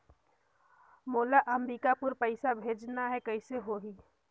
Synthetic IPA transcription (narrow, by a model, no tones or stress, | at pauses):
moːlaʔəmɾikapʊɾpəɪsabʱeːd͡ʒnaɦɛkəɪseɦoɦi